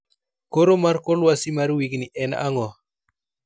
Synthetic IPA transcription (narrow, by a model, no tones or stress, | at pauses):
koɾomarkɔlwasimarwiɡniʔɛna̰ŋɔ